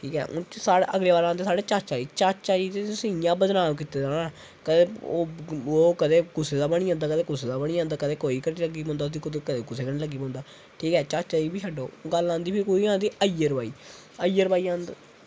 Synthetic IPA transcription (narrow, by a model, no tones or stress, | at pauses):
ʈʰiːkɛ̰ːʔʊsaːeʔəɡleːbaːɾãːnd̪eːsaːɽeːt͡ʃaːt͡ʃaːɾiːt͡ʃat͡ʃt͡ʃaːɾiːt̪etsĩjãːbəd͡ʒ̪naːʋk̬iːt̪eːd͡ʒãːna | kəd̪eːoːoːkəd̪eːkʊseːd̪aːbəɽ̃iːãːnd̪aːkəd̪eːkʊseːd̪aːbəɽiːãːnd̪aːkəd̪eːkoːiːkəɾiːləɡiːpɔ̃ːnd̪aːsikʊd̪eːkəd̪eːkʊseːkəɾniləɡiːpɔ̃ːnd̪aː | ʈʰiːkɛːt͡ʃaːt͡ʃt͡ʃaːɾiːbiːʃʰəɖoːɡəlãːnd̪iːpʰɪɾkoːiːãːnd̪iːʔəijəɾbaːiː | əijəɾbaːiːãːnd̪